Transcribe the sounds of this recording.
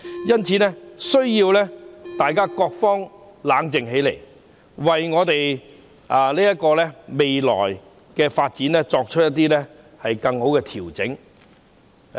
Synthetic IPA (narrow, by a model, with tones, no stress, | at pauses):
jɐ˥nt͡sʰiː˨˧nɛː˥sɵ˥ɥjiː˧wlɛː˥t̪aː˨jkaː˥kɔː˧k̚fɔː˥ŋlaː˨˥ŋt͡sɪ˨ŋɦe˨˥jlḛ˨˩j | wɐ˨˩jŋɔː˨˧t̪e˨j | a˨˧liː˥jɐ˥t̚kɔː˧lɛː˥me˨jlɔ̰ː˨˩j | kɛː˧faː˧t̚t͡siː˨˥nlɛː˥t͡sɔː˧k̚t͡ʃʰɵ˥t̚jɐ˥t̪̬ːi˥lɛː˥ | hɐ˨jkɐ˧ŋho˨˥wkɛː˧t̪ʰiː˨˩wt͡sɪ˨˥ŋ